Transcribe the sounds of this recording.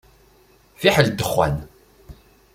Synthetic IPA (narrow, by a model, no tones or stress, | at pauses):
fiħəld̪əχːæ̰n